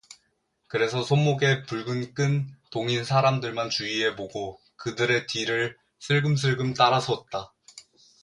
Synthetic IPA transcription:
kɯɾe̞sʰʌsʰomːoɡe̞puɭɡɯnk͈ɯntoŋinsʰaɾamdɯɭmant͡ɕuiɦe̞poɡo | kɯdɯɾe̞tiɾɯɭ | sʰɯɭɡɯms̬ʰɯɭɡɯmt͈aɾasʰʌt̚t͈a

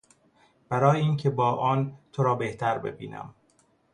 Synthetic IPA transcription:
b̥æɾɒːjeiːncʰebɒːʔɒːnt̪ʰoɾɒːbeht̪ʰæɾbe̞̰bḭːnæ̰m

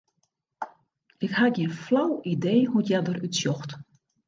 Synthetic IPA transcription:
ɪkhatjɛnflawideːhuətjadərytsjɔxt

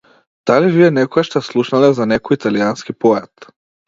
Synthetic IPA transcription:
d̪̥aliviɛnɛkɔɡaʃt̪ɛslˠuʃnalɛzanɛkɔjit̪alianskipɔjɛt̪

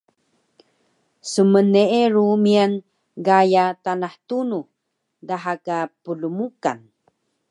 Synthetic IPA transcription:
səmənːeeɾumian | ɡajatanaħtunu | daɦakapulumuka̰n

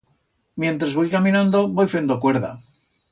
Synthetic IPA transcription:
mjẽ̞nt̪ɾazβojkamĩnãnd̪o̞βojfe̞nd̪okwe̞ɾða̰

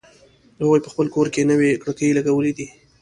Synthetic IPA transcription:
haɣujpəxpəlkoɾkenəwekɽəkəjlaɡawəled̪i

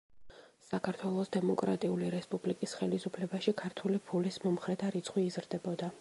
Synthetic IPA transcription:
sakʰaɾt̪ʰwɛlˠɔsd̪ɛmɔkʼɾa̰t̪ʼiuliɾɛspʼublikʼisχɛlisupʰlɛbaʃikʰaɾt̪ʰulipʰulismɔmχɾɛt̪ʰaɾit̪sʰχʼwiːzɾd̪ɛbɔd̪a

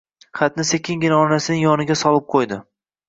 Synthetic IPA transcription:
χɑt̪nɪse̞kʲɪŋɡʲɪnaɒnasɪnɪŋjɒnɪɡʲasɒlˠɪp̚qʰojd̪ɪ

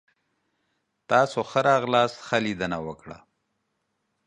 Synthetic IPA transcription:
t̪ɑːsoxəɾɑɣlɑsxəlid̪ənawəkɽa̰

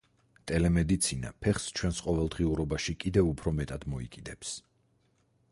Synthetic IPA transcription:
t̪ʼɛlɛmɛd̪it̪sʰina̰pʰɛχst͡ʃʰwɛnsqʼɔvɛlˠd̪ʁiuɾɔbaʃikʼid̪ɛvupʰɾɔmɛt̪ʼad̪mɔikʼid̪ɛps

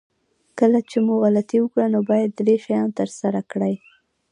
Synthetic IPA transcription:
kəlat͡ʃemuɣalat̪iwəkɽanobɑjad̪ːɾeʃajɑnt̪əɾsaɾakɽəj

